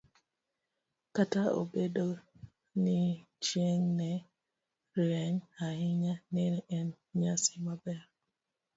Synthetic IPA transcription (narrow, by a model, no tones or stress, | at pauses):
katao̰bedo | ni | t͡ʃieŋnɛ | ɾɛɲahiɲanɛnɛn | ɲasi̥mabɛa